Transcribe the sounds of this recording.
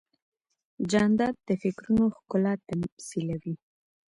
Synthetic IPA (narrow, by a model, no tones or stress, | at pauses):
d͡ʒɑnd̪ɑd̪̚d̪əfɪkɾunoxkʊlɑt̪amsilawi